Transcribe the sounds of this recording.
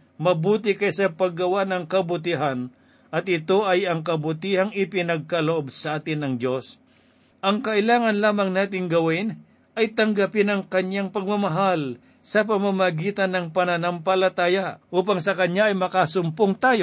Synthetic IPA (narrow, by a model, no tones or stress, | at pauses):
mɐbuːt̪ɪkɐjsɐpɐɡːɐwanɐŋkɐbʊt̪̬iɦan | ʔɐt̪̚ɪt̪o̞ʔɐjɐŋkɐbʊt̪iːhaŋɪpɪnɐɡ̚kɐloʔobsɐʔaːt̪ɪnɐŋdjo̞s | ʔɐŋkɐʔɪlaːŋɐnlaːmɐŋnaːt̪ɪŋɡɐwɪn | ɐjt̪ɐŋɡapɪnɐŋkɐɲaŋpɐɡ̚mɐmɐɦal | sɐp̬ɐmamɐɡiːt̪ɐnːɐŋpɐnɐnampɐlɐt̪aːjaʔuːpaŋsɐkɐɲaɐjmɐkasʊmpoŋt̪aːjo